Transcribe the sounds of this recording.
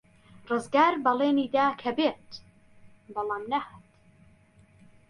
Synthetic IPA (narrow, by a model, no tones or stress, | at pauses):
rɨzɡaːɾbɐleːniːd̪aːkʰɐbeːt̪ | bɑlˠaːmnɐhaːt̪